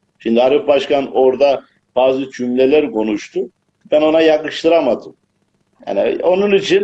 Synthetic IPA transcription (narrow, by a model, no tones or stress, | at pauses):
ʃimd̪ihaɾɯpbaʃkano̞ɾd̪a | b̥aːzˠɯt͡ʃʰymlʲelʲæɾkʰo̞nuʃt̪ʰu | bæno̞najakɯʃt̪ˠɯɾamad̪ɯm | ja̰ːnio̞nunit͡ʃʰin